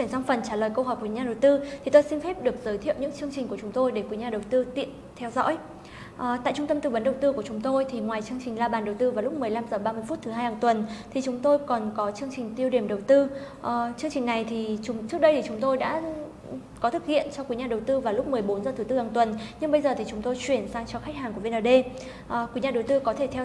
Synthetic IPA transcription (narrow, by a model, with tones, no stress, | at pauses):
si˧˩nsa˧ŋ͡mfə˨˩nt͡ɕaː˧˩ləː˨˩jkə˧wɦɔ˨˩k̚wi˨˩˦ɲaː˧ɗə˨˩wt̪ɨ˧t̪ʰi˨˩t̪o˧jsi˧nfɛ˦˥p̚ɗɨ˨˩ək̚z̥əː˨˦jt̪ʰḭ˧˨wɲɨ̰˧˥ŋt͡ɕɨ˧əŋt͡ɕi˨˩ŋku˧˩ət͡ɕʊ˨˦ŋ͡mt̪o˧jɗe˧˩kwi˨˦ɲaː˧˩ɗə˨˩wt̪ɨ˧t̪ḭ˧˨ənt̪ʰɛ˧wzɔ̰˧˥j | ʔt̪a̰ː˧˨jt͡ɕʊ˧ŋ͡mt̪ə˧mt̪ɨ˨˩ɓə˨˦nɗə˨˩wt̪ɨ˧ku˧˩ət͡ɕʊ˨˦ŋ͡mt̪o˧jt̪ʰi˨˩ŋwaː˨˩jt͡ɕɨ˧əŋt͡ɕï˨˩ŋ̟laː˧ɓaː˨˩nɗə˨˩wt̪ɨ˧vaː˨˩lʊ˦˥k͡p̚mɨ˨˩əjla˧mzəː˨˩ɓaː˧mɨ˧fu˦˥t̚t̪ɨ˨˦ɦaː˧jhaː˨˩ŋt̪wə˨˩nt̪ʰi˨˩t͡ɕʊ˨˦ŋ͡mt̪o˧jkɔ˨˩nkɔ˨˦t͡ɕɨ˧əŋt͡ɕï˨˩ŋ̟t̪i˧əwɗi˧˩əmɗə˨˩wt̪ɨ˧ʔt͡ɕɨ˧əŋt͡ɕï˨˩ŋ̟na˨˩jt̪ʰi˨˩t͡ɕŋ͡mt͡ɕɨ˦˥k̚ɗə˧t̪i˨˩t͡ɕʊ˨˦ŋ͡mt̪o˧jɗa̰ː˧˥ | kɔ˨˦t̪ʰɨ˨˩k̚hḭ˧˨ənt͡ɕɔ˧kwi˨˦ɲaː˧˩ɗə˨˩wt̪ɨ˧vaː˨˩lʊ˦˥k͡p̚mɨ˨˩əjɓo˨˦nzəː˧˨˩t̪ʰɨ˨˦t̪ɨ˧haː˨˩ŋt̪wə˨˩nɲɨ˧ŋɓə˧jzəː˨˩t̪ʰi˨˩t͡ɕʊ˨˦ŋ͡mt̪o˧jt͡ɕwi˧˩ənsaː˧ŋt͡ɕɔ˧xa˦˥k̟̚haː˨˩ŋku˧˩ve˧nəː˧˩ɗe˧ | ʔkwi˨˦ɲaː˧ɗə˨˩wt̪ɨ˧kɔ˨˦t̪ʰe˧˩t̪ʰɛ˧